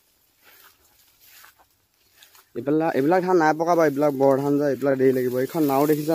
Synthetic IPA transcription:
aʔḛbilak̚dʰʱanːajpɔkabaebilak̚bɔɹdʱanzaebilak̚dejlaɡibɔekʰɔnːawdekʰiza

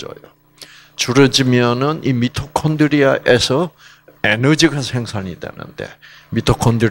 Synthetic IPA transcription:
ʌ̰jo | t͡ɕuɾɯd͡ʑimjʌnɯnimitʰokʰʌndɯɾiaʔesʰʌ | enɯd͡ʑiɡansʰe̞ŋsʰaɲidwe̞̰nɯ̰nde̞̰ | mitʰokʰʌndɯ

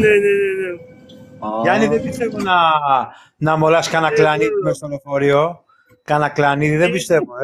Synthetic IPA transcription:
nenenene | cɐniðebist̪e̞vo̞nɐ | nɐmo̞lɐskɐnɐklɐniðimest̪olofo̞ɾio | kɐnɐklɐniðiðebist̪e̞voe

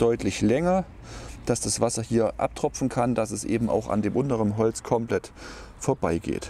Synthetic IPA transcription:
d̥ɔʏtʰlɪçlɛŋɐ | d̥asd̥asv̥asɐhiːɐʔa̰p̚tʁ̥ɔfn̩kʰandasɛsʔḛːbm̩a̰ʊxa̰ndeːmʔʊntəʁənɦɔlt͡skʰɔmplɛt | foːɐbaɪɡḛːt

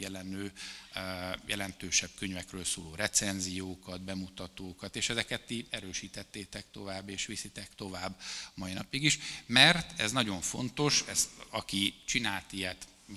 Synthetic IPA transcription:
jɛlɛnøː | jɛ̰lɛnt̪øːʃɛb̥̚køɲvɛkrøːlsoːloːɾɛt̪sɛnzijoːkɒd̪bɛmut̪ɒt̪oːkɒt̪eːʃɛzɛkɛt̪ːiɛɾøːʃiːt̪ɛt̪ːeːt̪ɛkt̪o̞vaːbːeːʃʋisit̪ɛkt̪o̞vaːbːmɒinɒ̰piɡiʃmɛrt̪ɛznɒɟo̞ɱfo̞̰nt̪o̞ʃɛst̪ɒkit͡ʃinaːlt̪ijɛt̪

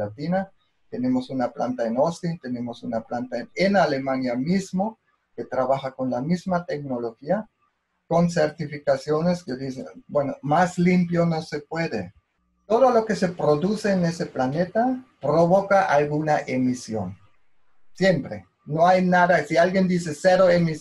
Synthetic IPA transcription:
at̪ina | t̪e̞ne̞mo̞sunapla̰nt̪aenost̪int̪e̞ne̞mo̞sunaplant̪aenale̞manjamizmo̞ | ke̞t̪ɾaβaxako̞nlamizmat̪e̞kno̞lo̞xia | ko̞nseɾt̪ifikasjo̞ne̞skeðisḛbweno̞maslimpjono̞se̞pwe̞ðḛ | t̪o̞ðo̞lo̞ke̞se̞pɾo̞ðuseːne̞se̞plane̞t̪apɾoβokaʔalɣunaʔemisjo̞̰n | sjempɾḛ | noajnaðasialɡjend̪ise̞seɾoemi

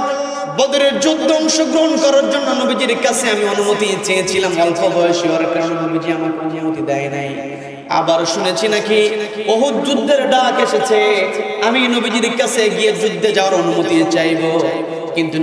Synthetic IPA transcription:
bɔd̪iɾeɾd͡ʑud̪ʱːoɔŋʃoɡɾoɦonkɔɾaɾd͡ʑonːonobid͡ʑiɾkasʰeamionumot̪it͡ɕeet͡ɕʰilamɔlkʰobʱɔjʃiɦoɾekɾanunobid͡ʑiamaɾkonumot̪id̪ɛenaj | a̰baɾʃunet͡ɕʰinakiboɦut̪̚d͡ʑud̪ʱːeɾɖakeʃet͡ɕʰeaminobid͡ʑiɾkasʰeɡied͡ʑud̪ʱːed͡ʑawaɾonumot̪it͡ɕajbo | kint̪u

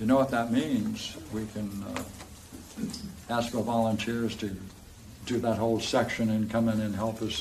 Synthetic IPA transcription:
jɨnoʊwʌt̪̚ðət̚mĩnz̥wikʰɨ̃n | æskfə˞vɑlˠə̃ntʰɪɹz̥tʰɨ | dɨðət̚hoʊlˠsɛkʃɨ̃nɨ̃nkʰʌmɪ̃ŋɨ̃nɦɛlˠpʌs

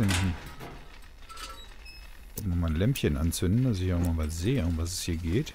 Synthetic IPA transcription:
ʏndn̩ | ʔɔpmamaːnlɛmpçənʔa̰nt͡sʏndn̩d̥asɪçaʊmaːvazeːəʊmvas̬ɛ̥shiːɐɡeːt

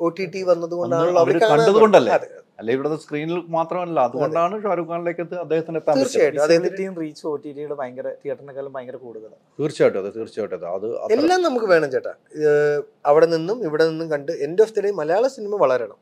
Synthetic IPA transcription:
o̞ːʈiʈːiʋɐnːɐðuɣo̞ɳɖaːɭːɐʋiɾkːaːkɐɳɖɐðuko̞ɳɖɐlːɐɐðɨɐ | ɐlːɐiʋiɽeðːeskriːnilmaːt̪rɐmɐlːɐɐðuɣo̞ɳɖaːɳɨʂoːɾukːaːnile̞ːkʲːɐðɨɐd̪ːe̞ːhɐt̪ːindeːaːmiːrt͡ɕːaːjiʈːɨɐd̪ːehɐnitːejumriːt͡ɕːɨo̞ːʈːiʈijuɽebɐjŋɡɐret̪iːɐʈːrɐnɐkːɐlumbɐjɐŋɡɐrɐkuːɽuðɐlɐsiːrt͡ɕaːjʈːɨɐðɨt̪iːrt͡ɕːaːjʈːɨɐðɨ̰ɐ̰ðɨɐ̰elːaːmnɐmukːɨʋe̞ːɳɐmt͡ɕeːʈːa̰ | ɐʋiɽe̞ninːumiʋiɽe̞ninːumkɐɳɖɨe̞ndeoft̪iɽemːɐlɐjaːɭɐsinimɐʋɐɭɐɾeɳɐ̰m

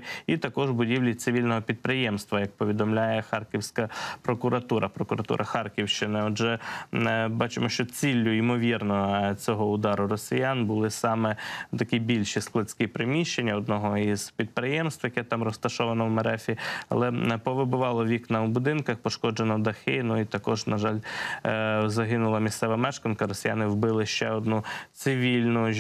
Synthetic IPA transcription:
it̪ɐkɔʒbʊdʲiwlʲit̪sɪʋʲilʲnɔɦɔpʲid̪̚pɾɪjɛmst̪ʋɐjɐk̚pɔʋʲid̪ɔmlʲajɛxɑrkʲiwsʲkɐpɾɔkʊɾɐt̪uɾɐpɾɔkʊɾɐt̪ṵɾʔɐxɑrkʲiwʃt͡ʃɪnɪɔd͡ʒɛ | bɑt͡ʃɪmɔʃt͡ʃɔt͡sʲilʲːʊimɔʋʲirnɔt͡sʲɔɦɔʊd̪ɑɾʊɾɔsʲɪjanbʊlˠɪsɑmɛt̪ɐkʲibʲilʲʃisklˠɐt͡sʲkʲɪpɾɪmʲiʃt͡ʃe̞nʲːɐɔd̪nɔɦɔiz̥pʲid̪̚pɾɪjɛmst̪ʋjɐkɛt̪ɑmrɔst̪ɐʃɔʋɐnɐwmɐɾɛfʲiɐ̰lˠɛpɔʋɪbʊʋɑlˠɔʋʲiknɐwbʊd̪ɪnkɐxpɔʃkɔd͡ʒenɔd̪ɐxɪnuit̪ɐkɔʒnɐʒɑlʲ | zɐɦɪnʊlˠɐmʲist̪sɛʋɐmɛʃkɐnkɐɾɔsʲɪjanɪwbɪlˠɪʃt͡ʃɛɔd̪nut̪sɪʋʲilʲnʊ

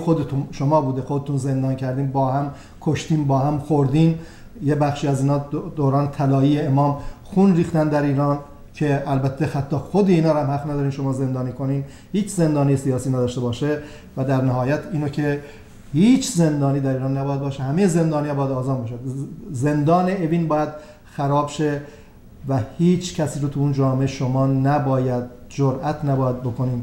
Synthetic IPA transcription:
xod̪et̪ʰunʃomɒːbuːd̪exod̪et̪ʰuːnze̞nd̪ɒːncʰæɾd̪iːmbɒːhæm | kʰoʃt̪iːmbɒːhæmxoɾd̪iːn | jebæxʃiːæziːnɒːd̪oːɾɒːnet̪ʰælɒːiːjeemɒːmxunriːxt̪ænd̪æɾiːɾɒːn | cʰe̞ælbæt̪ʰːexæt̪ʰːɒːxod̪ieiːnɒːɾæmhæfnæd̪ɒːɾimʃo̞mɒːze̞nd̪ɒːniːkʰo̞niːn | hiːt͡ʃze̞nd̪ɒːnijesijɒːsiːnæːd̪ɒːʃt̪ebɒːʃe | væd̪æɾnæɦɒːjæt̪ʰiːnocʰe | hiːt͡ʃʰze̞nd̪ɒːniːd̪æɾiːɾɒːnːæbɒːjæd̪bɒːʃehæmejeze̞nd̪ɒːnijbɒːjæd̪ɒːzɑːmbɑʃ̬eze̞nd̪ɒːneeviːnbɒːjæd̪̥ | xæɾɒːbʃe | væhiːt͡ʃʰcʰæsiːɾot̪ʰuund͡ʒɒːmeʔeʃomɒːnæbɒːjæd̪̚d͡ʒoɾʔæt̪ʰnæbɒːjæd̪̚bo̞kʰo̞niːn

